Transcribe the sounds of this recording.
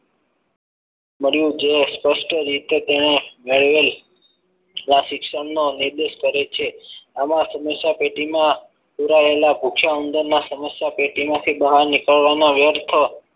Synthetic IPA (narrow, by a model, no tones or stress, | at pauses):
məɾjũd͡ʒespəsʈəɾit̪et̪eñemeɭʋel | nãsɪkʃəmnonɪɾd̪eʃkəɾet͡ʃʰeamãsəməsjapeʈimã | puɾaelapukʰjaənd̪əɾnasəməsjapeʈimãt̪ʰibəɦaɾnɪkəɭʋanoʋjəɾt̪ʰə